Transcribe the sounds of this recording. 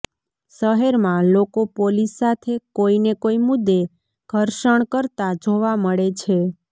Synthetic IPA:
ʃəɦeɾmãlokopolisːat̪ʰekoinekoimʊd̪ːe | ɡ̥ʱəɾʃəɳ̃kəɾt̪ad͡ʒoʋaməɭet͡ʃʰe

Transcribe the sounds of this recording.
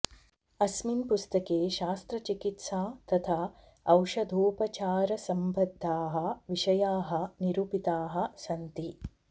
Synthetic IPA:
ɐsminpust̪ɐkeːʃaːst̪ɾɐt͡ʃikit̪saːt̪ɐt̪ʰaː | ɐwʂɐd̪ʱuːpɐt͡ʃaːɾɐsɐmbʱɐd̪ʱːaːɦɐ̆ʋiʃɐjaːɦɐ̆niɾuːpit̪aːɦɐ̆sɐnt̪i

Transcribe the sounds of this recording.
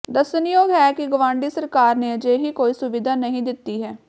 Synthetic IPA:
d̪əsənɪjoːɡɦɛːkɪɡəʋãːɳɖiːsəɾkaːɾneːəd͡ʒeːɦiːkoːiːsʊʋɪd̪ʱaːnəɦĩːd̪ɪt̪ːiːɦɛː

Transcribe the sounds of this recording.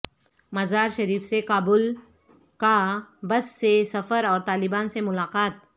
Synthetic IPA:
mɐzaːɾʃɐɾiːfsekaːbʊl | kabɐsːesɐfəɾɔːɾt̪aːlɪbaːnsemʊlaːqaːt̪̚

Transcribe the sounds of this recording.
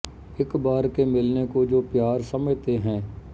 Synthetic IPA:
ɪkbaːɾkemɪlnekod͡ʒoːpjaːɾsəmət̪eɦɛ̃ː

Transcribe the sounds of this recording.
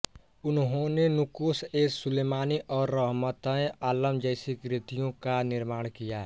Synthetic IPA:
ʊnɦõnenukuseːsuleːmaːniʔɔːɾːəɦmət̪ə̃ẽʔaːləmd͡ʒəɪsikɾit̪ijõkanɪɾmaːɽ̃kija

